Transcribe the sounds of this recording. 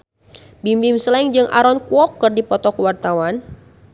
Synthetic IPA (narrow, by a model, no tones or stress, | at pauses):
bimbimslɛŋd͡ʒɨŋʔa̰ɾɔnkuwɔkːɨrdipɔt̪ɔkwart̪awan